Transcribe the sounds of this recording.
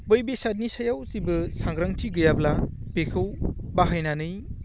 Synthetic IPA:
bojbesat̚nisajawsibɯsaŋɡɾaŋtʰiɡɯjabla | pekʰɯwbaɦajnanɯj

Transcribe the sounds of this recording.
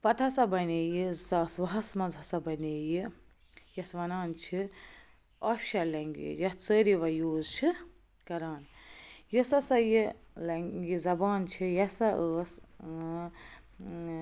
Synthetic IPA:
pɐt̪ʰɐsɐbɐnejizɐsʋɐɦɐsmɐzɐsɐbɐnejɨ | jɐsʋɐnaːnt͡ʃʰi | ɐfʃɐlɐŋɡḭjɐt͡səɾiʋɐjoːzt͡ʃʰi | kɐɾaːnjisɐsɐji | lɐŋɡizɐbaːnt͡ʃʰijɐsɐʔəs

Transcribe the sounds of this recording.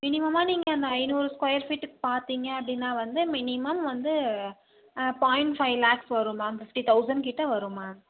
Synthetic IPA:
mɪnɪmɐmaːniːŋɡɐɐnd̪ɐɐɪnuːɾɯskwɐjɐɾfiʈːɯkːɯ̥paːɾt̪iːŋɡɐɐpːɐɽɪnːaːʋɐnd̪ɯmɪnɪmɐmʋɐnd̪ɯ | paːjɪɳʈfɐɪʋlaːksʋɐɾɯmaːfɪfʈit̪ɐʊsɐɳɖkɪʈːɐʋɐɾɯmaː

